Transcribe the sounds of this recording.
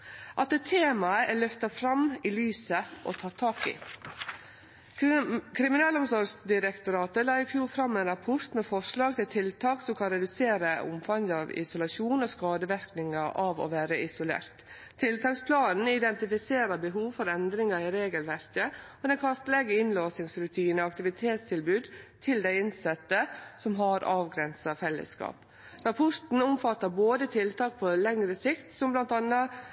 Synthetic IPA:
ʔɑt̪d̪ɛt̪ʰeːmɑəʔælœft̪ɑfɾɑmːɪlyːsəʔo̰t̪ʰɑːt̪ʰɑːkɪ̰ | kʰɾɪmɪnɑːlɔmsɔɾsd̪ɪɾəkt̪ʊɾɑːt̪əlɑːɪfjuːɾfɾɑmːænɾɑpʰɔɾt̪mɛfɔʂlɑːɡt̪ɪlt̪ʰɪlt̪ʰɑːksɔmkʰɑnɾɛd̪ʉseːɾəʊ̰mfɑŋd̪əɑʋɪ̰sʊlɑʂuːnoːskɑːd̪əʋɪɾknɪŋɑʔɑːʋo̰ːʋæːɾəʔɪsʊlḛːɾt̪ʰː | ɪlt̪ʰɑːkspʰlɑːnn̩ɪd̪ɛnt̪ɪfɪseːɾəɾbəɦuːʋfɔɾɛnd̪ɾɪŋɑɪɾeːɡəlʋæɾkəɔd̪ɛnkʰɑst̪lɛɡəɪnloːsɪŋsɾʉt̪ʰiːnəɑkt̪ɪʋɪt̪ʰeːt̪st̪ʰɪlbʉːd̪t̪ʰɪld̪æɪɪnsɛt̪ːəsɔmɦɑɾɑːʋɡɾɛnsɑfɛlːə̰skɑ̰ːp | ɾɑpʰɔɾt̪n̩ɔmfɑt̪ːəɾboːd̪ət̪ʰɪlt̪ʰɑːk̚pʰɔlɛŋɾəsɪkt̪sɔmblɑnt̪ɑnːɑ

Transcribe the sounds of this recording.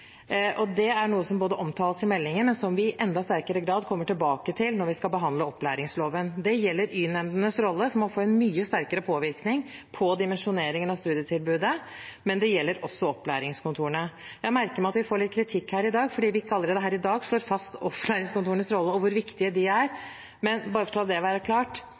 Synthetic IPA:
ʔɔd̪ɛæɳuːəsɔmboːd̪əʔɔmt̪ʰɑːləsɪmɛlːɪŋənmɛnsɔmʋɪɪʔɛnd̪ɑst̪æɾkəɾəɡɾɑːd̪kʰɔmːəʈɪlbɑːkət̪ʰɪlnɔɾʋɪskɑlbəɦɑnd̪ləɔpːlæ̰ːɾɪŋsloːʋənd̪ɛjɛlːəɾyːnɛmd̪ənəsɾɔlːəsɔmːɔfoːɛnmyːəst̪æɾkəɾəpʰoːʋɪɾknɪŋpʰɔd̪ɪmɛnʂʊneːɾɪŋənɑʋst̪ʉːd̪ɪət̪ʰɪlbʉːd̪ə | mɛnd̪ɛjɛlːəɾɔsːɔɔpːlæ̰ːɾɪŋskʰʊnt̪ʰuːəɳə | jæɪmæɾkəɾmæɑt̪ʋɪfoːɭɪt̪̚kʰɾɪt̪ʰɪkːhæːɾɪd̪ɑːɡfɔɖiːʋɪɪkːəɑləɾeːd̪əɦæːɾɪd̪ɑːɡʂɭoːɾfɑst̪ɔplæːɾɪŋskʊnuːəɳəsɾɔlːəɔʋʊɾʋɪkt̪ɪəd̪ɪæɾ | mɛnbɑːɾəfɔt̪ʰɛlɑd̪ɛʋæːɾəkʰlɑːʈ

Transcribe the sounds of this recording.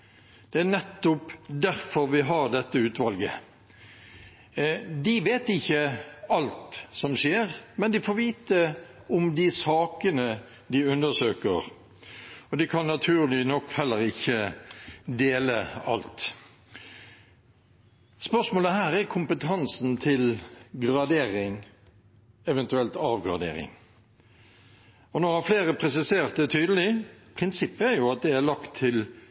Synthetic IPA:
d̪̥ɛæʁnɛt̪ːʊpd̪æɾfɔɾʋɪɦɑʁd̪ɛt̪ːəʉːt̪ʋɑlɡə̰ | d̪ɪʋeːt̪ɪçːəɑlt̪sɔmʂeːʁmɛnd̪ɪfoːʋiːt̪ə | ʊmd̪ɪsɑːkənə | d̪ɪʉnd̪əʂøːkə̰ʁ | ɔd̪ɪkʰɑnːɑt̪ʰʉːʁlɪnɔkːhɛlːəɾɪçːə | d̪eːləɑ̰lt̪ | spœʂmoːləhæːɾæɾkʰʊmpət̪ʰɑnsnt̪ʰɪlɡɾɑd̪eːɾɪŋ | ɛʋɛnt̪ʉɛlt̪ɑːʋɡʁɑ̰d̪ḛːɾɪ̰ŋ | ɔnɔhɑɾfleːɾəpʰɾɛsɪseːʁt̪̚d̪ɛt̪ʰyːd̪əl̩ɪpʰʁɪnsɪpːəæɾjʊɑt̪̚d̪ɛæɾlɑkt̪ʰːɪl

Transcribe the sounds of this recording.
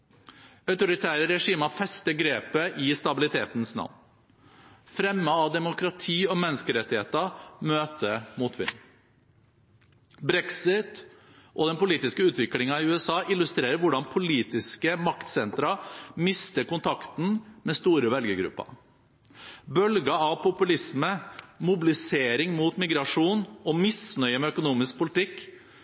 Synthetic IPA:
œʉt̪ʊɾɪt̪ʰæːɾəɾɛʂiːməfɛst̪əɡɾeːpəʔɪst̪ɑbɪlɪt̪ʰeːt̪n̩snɑ̰ʋn | fɾɛmːəɑʋd̪ɛmʊkɾɑt̪ʰiːɔmɛnːəskəɾɛt̪ːɪheːt̪əmøːt̪əmuːt̪ʰʋɪ̰nː | bɾɛksɪt̪ | ʔɔd̪ɛnpʊliːt̪ɪskəʉːt̪ʋɪklɪŋɑɪʉːɛsɑːʔɪlʉst̪ɾeːɾəɾʋʊɖɑnpʰʊliːt̪ɪskəmɑkt̪sɛnt̪ɾɑmɪst̪əkʊnt̪ʰɑkt̪n̩mɛst̪uːɾəʋɛlɡəɡɾʉ̰pːɑ̰ | bœlɡəɑʋpʰʊpʉlɪsməmʊbɪlɪseːɾɪŋmuːt̪mɪɡɾɑʂuːnɔmɪsnœʏəmɛœkʊnuːmɪsk̚pʰʊlɪt̪ɪkː

